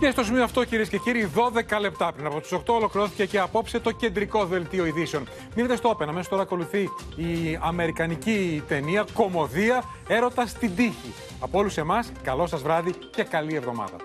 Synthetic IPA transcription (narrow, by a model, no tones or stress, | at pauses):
cest̪o̞simioɐft̪o̞ciɾie̞sce̞ciɾiðo̞ðe̞kɐle̞p̚t̪ɐpɾinɐpot̪u̥so̞kt̪o̞olo̞kɾiɾoθi̥ce̞ceɐpo̞pse̞t̪o̞ce̞nd̪ɾiko̞ðe̞lt̪ioiðiseo̞n | minet̪est̪oope̞nɐmesost̪oɾɐːko̞luθiː | ɐme̞ɾikɐnicit̪e̞niɐko̞mo̞ðiɐ | e̞ɾo̞t̪ɐst̪ind̪içi | ɐpoo̞luse̞mɐskɐlo̞sɐzvɾɐði | ce̞kɐlie̞vðo̞mɐ̰ðɐ̰